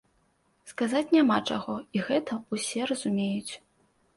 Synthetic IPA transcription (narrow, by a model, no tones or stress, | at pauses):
skazat͡sʲnʲamat͡ʂaɣɔiɣɛt̪ɐusʲɛrɐzumʲejut͡sʲ